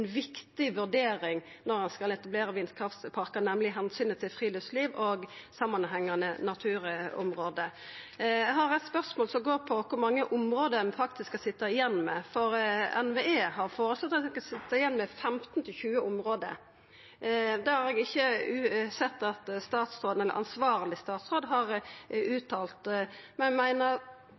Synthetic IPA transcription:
ɛnʋɪkt̪ɪʋʉɾɖ̪eːɾɪŋnɔɾɑnskɑlɛt̪ɑbleːɾəʋɪnskʰɾɑft̪pʰɑɾkənɛmlɪɦɛnsyːnət̪ʰɪlfɾiːlœsliːʋoɡsɑmɑnɦɛŋːɑnənɑt̪ʰʉːɾɔ̰mɾoːd̪ə | ɛɡɦɑɾɛt̪spœʁsmoːlsɔmɡoːɾpʰɔkʰʊɾmɑŋːəʔʊmɾoːd̪ənfɑk̚t̪ɪskːɑsɪt̪ːɑɪjɛnːmɛfɔɾɛ̰nʋeːeːhɑɾfoːɾəslɔt̪ːɑsɪt̪ːɑɪjɛnːmɛfɛmt̪n̩t̪ʰɪlçʉːəʊmɾoːd̪ə̰ | d̪ɛhɑɾɛɡɪçːəʉːsɛt̪ːɑt̪st̪ɑːt̪sɾoːd̪nɛlːə̰ɾɑ̰nsʋɑːɾlɪst̪ɑːt̪sɾoːd̪ɦɑɾʉːt̪ʰɑːlt̪mɛnmæɪnəɾ

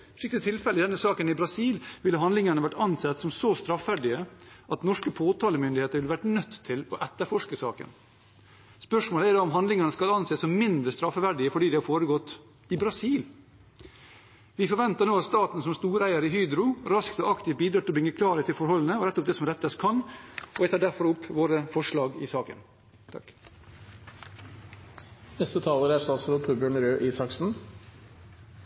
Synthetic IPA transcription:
ʋɪk̚t̪ɪt̪ʰɪlfɛləɪd̪ɛnːəsɑːkənɪbɾɑsiːlʋɪlːəɦɑnd̪lɪŋɑɳəʋæʈːɑnsɛt̪ːsɔmsɔst̪ɾɑfʋæɖɪəʔɑt̪nɔʂkəpʰoːt̪ʰɑːləmʏnd̪ɪheːt̪əɾʋɪlʋæʈnœt̪ʰːɪlɔʔɛt̪ːəɾfɔʂkəsɑ̰ːkə̰n | spœʂmoːləæɖɑɔmɦɑnd̪lɪŋɑnəskɑlɑnseːsɔmmɪnd̪ɾəst̪ɾɑfːəʋæɖɪəfɔɖiːd̪ɛhɑɾfoːɾəɡɔt̪ː | ɪbɾɑsiːl | ʋɪfɔɾʋɛnt̪ənoːɑt̪st̪ɑːt̪n̩sɔmst̪uːɾæɪəɾəɪɦyːd̪ɾʊɾɑskt̪ɔʔɑkt̪ɪfbiːd̪ɾɑːt̪ɪlɔbɾʏŋːəkʰlɑːɾət̪ʰɪlfɔɾhɔlːən̩əɔɾɛt̪ːɔp̚d̪ɛsɔmɾɛt̪ːəskʰɑnɔʋæɪt̪ɑːɖæɾfɔɾʊpːʋoːɾəfɔʂɭɑːɡɪ̰sɑːkə̰n | t̪ʰɑ̰k | nɛst̪ət̪ʰɑːləɾæɾsɑsɔɾɔpʰubjøːɳəɾøːʔisɑksn̩

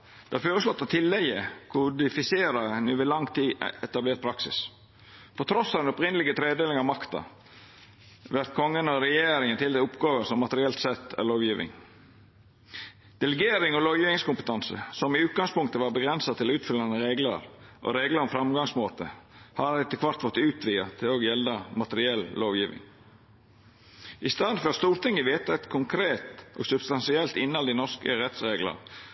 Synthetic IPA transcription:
d̪̥ɛhɑɾføːɾəslɔt̪ːɑt̪ʰɪlːɛɡəkʰʊd̪ɪfɪseːɾɑnʉːʋɪlɑŋt̪ʰiːɛt̪ɑbleːɾt̪pʰɾɑksɪ̰s | pʰɔt̪ʰɾɔsːɑd̪ɛnɔpɾɪnəlɪɡət̪ʰɾeːd̪eːlɪŋɑʋmɑkt̪ɑ̰ | ʋæɾt̪̚kʰɔŋːənɔɾɛjeːɾɪŋənt̪ɪlɛʊpɡɑːʋəsɔmːɑt̪əɾɪɛlt̪sɛt̪ːæ̰ɾɭoːʋjiːʋɪ̰ŋ | d̪̥ɛləɡeːɾɪŋɔloːʋjiːʋɪŋskʊmpə̥t̪ʰɑnsə̰sɔmɪʉːt̪̚ɡɑŋspʊŋkt̪əʋɑːɾbəɡɾɛnsɑt̪ʰɪlʉːt̪fʏlːɑnəɾeːɡlə̰ɾʔɔ̰ɾeːɡləɾɔmfɾɑmɡɑŋsmoːt̪əhɑɪt̪ːəkʰʋɑɾt̪fɔt̪ːʉːt̪ʰʋiːɑt̪ʰɪloɡjɛlːəmɑt̪əɾɪɛlːloːʋjiːʋɪ̰ŋ | ɪst̪ɑd̪nfœɾst̪uːɾt̪ʰɪŋːəʋeːt̪əɛt̪kʰʊŋkʰɾeːt̪ʔo̰ːɡsʉbst̪ɑnsɪɛlt̪ɪnːɑld̪ɪnɔskəɾɛt̪sɾeːɡlə̰

